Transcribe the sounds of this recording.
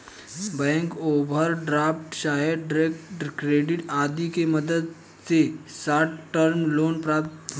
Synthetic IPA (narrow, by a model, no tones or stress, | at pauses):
bɛ̃ŋkobʱəɾɖɾafʈɕaɦeɖɾekkɾeɖiʈad̪ikeməd̪əd̪ | t͡sesaʈʈəɾmlonpɾapt̪